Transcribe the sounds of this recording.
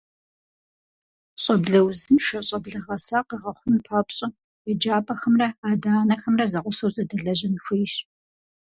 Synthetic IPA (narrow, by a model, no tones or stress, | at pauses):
ɕʼɐbɮɐwzɨnʃɐɕʼɐbɮɐʁɐsaːqiʁɐχʷʊmpʰaːpɕʼɐ | jɛd͡ʒaːpʼɐxɐmrɐaːdaːnɐxɐmrɐzɐqʷʊsɐwzɐdɐɮɐʑɪnxʷiːɕ